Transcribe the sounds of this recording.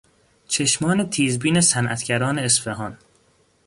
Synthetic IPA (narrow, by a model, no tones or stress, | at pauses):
t͡ʃʰe̞ʃmɒːne̞t̪ʰiːzbiːne̞sænʔæ̰t̪ʰɟæɾɒːneːsfeɦɒːn